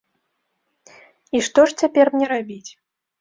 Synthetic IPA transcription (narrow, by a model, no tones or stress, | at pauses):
iʂt̪ɔʂt͡sʲapʲɛrmnʲɛɾabʲit͡sʲ